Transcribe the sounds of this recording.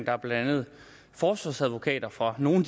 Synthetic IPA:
ŋd̥ɑæɐb̥læædænð̞̩ˠ | fɒːsɒsæðˠʋo̝kʰɛ̰ːd̥ɐfʁɑ̈no̝ːn̩d̥

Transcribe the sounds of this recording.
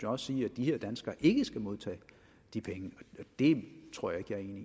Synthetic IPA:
jɒ̽ssiːæd̥iheɐd̥ænsɡ̥ɐʔe̝ɡ̥əsɡ̥æmo̝ð̞ˠt͡sʰɛ̰ː | d̥ipʰeŋəɒɒd̥e̝t͡sʰʁo̰ɐ̰jɑ̈e̝ɡ̥æɐe̝ːni

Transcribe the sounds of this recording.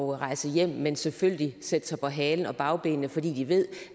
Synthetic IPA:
ʊʁɑ̈ɪsəjem̰menselføljəlised̥sɑ̈pʰɒ̽ɦɛːln̩ɒ̽b̥ɑ̈ʊb̥ḛːnnəfɒ̽d̥ḭːd̥iʋe̝ð̞̰ˠ

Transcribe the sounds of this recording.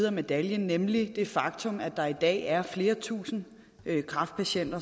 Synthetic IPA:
ðˠɐme̝d̥æljənːemlid̥e̝fɑ̈ɡ̥̚t͡sʰɔ̽mæd̥ɑ̈id̥ɛ̰ːæɐfle̝ːɐt͡sʰṵːsn̩ | kʰʁɑ̈fd̥̚pʰæɕen̰d̥ɐ

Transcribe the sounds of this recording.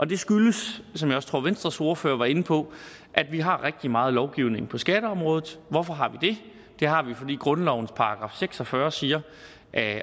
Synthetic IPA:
ʔɒ̽d̥e̝sɡ̥yləssɒmjɑ̈ɪɒ̽st͡sʰʁo̝ɐ̰ʋensd̥ʁɐso̝ɐføːɐʋɑ̈e̝n̩pʰɒ̽ | ʔæd̥ʋiɦɑ̈ʁɛɡ̥̚d̥imɑ̈ːð̩ˠlɒʊɡ̥iʊne̝ŋpʰɒ̽sɡ̥æd̥əɒ̽mʁɔ̽ːð̩ˠʋɒfɒ̽ɦɑ̈ʋid̥e̝ | d̥e̝ɦɑ̈ʋifɒ̽dḭːɡ̥ʁɔ̽nlɒʊn̩spʰɑ̈ɑ̈ɡ̥ʁɑ̰̈ːfseɡ̥sɒ̽fɶɐsiːɐ | ʔæ

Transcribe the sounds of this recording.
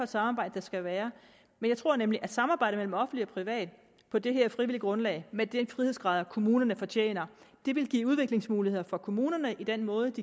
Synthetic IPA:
ɒ̥sɑ̈mɑ̈ːbɑ̈ɪ̰d̥əd̥ɑ̈sɡ̥æʋæːɐ | menjɑ̈ɪt͡sʰʁo̝ɐ̰nemliʔæd̥sɑ̈mɑ̈ːb̥ɑ̈ɪ̰ɾəmel̰m̩ɒ̽fn̩liɒ̽pʰʁiʋɛ̰ːd̥ | pʰɒ̽d̥eɦe̝ɐfʁiʋiliɡ̥ʁɔ̽nlɛ̰ɪmed̥enfʁiheðˠsɡ̥ʁɑ̈ːðˠkʰo̝muːnɐnəfɒ̽t͡ɕʰḛːnɐd̥e̝ʋe̝lɡ̥ḭːuð̞ˠʋe̝ɡ̥le̝ŋsmuːlihe̝ð̰ˠɐfɒ̽kʰo̝muːnɐnəʔid̥enmɔ̽ːð̞ˠəd̥i

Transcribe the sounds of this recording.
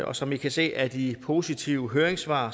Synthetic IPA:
ɒ̽sɒ̽mʋikʰæse̝̰ːʔæd̥ipʰo̝ːsit͡sʰiʊəɦøːɐeŋsʋɑ̰̈ː

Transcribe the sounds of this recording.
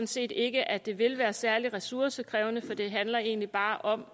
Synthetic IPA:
n̩se̝̰ːd̥e̝ɡ̥əʔæd̥e̝ʋe̝lʋæːɐsæɐliʁɛsuɐsəkʰʁɛ̰ːʊnəfɒ̽d̥e̝ɦænlɐe̝̰ːnlib̥ɑ̈ːʔɒ̽m

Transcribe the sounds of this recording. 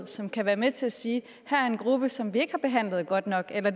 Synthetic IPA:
ð̰ˠsɒ̽mkʰæʋæːɐmet͡sʰe̝læsiː | hæɐæɐe̝nɡ̥ʁub̥əsɒ̽mʋie̝ɡ̥hɑ̈b̥e̝ɦæn̰ləð̩ˠɡ̥ɒ̽d̥nɒ̽ɡ̥elɐ

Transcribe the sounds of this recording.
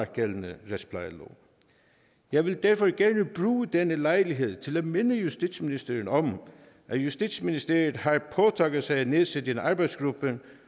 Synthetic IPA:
ɡ̥elənəʁespʰlɑɪlo̰ː | jɑ̈ɪʋe̝ld̥æɐfɒɡ̥æɐnəb̥ʁuːəd̥enəlɑ̈ɪliɦe̝ð̰ˠt͡sʰe̝læme̝nəjusd̥id̥sminisd̥eɐn̩ɒ̽m | ʔæjusd̥id̥sminisd̥e̝ɐjð̩ˠɦɑ̈pʰɒt͡sʰɑ̈ːɡ̥ð̩ˠsɑ̈ɪneðˠsed̥enɑ̈ːb̥ɑ̈ɪd̥sɡ̥ʁub̥ə

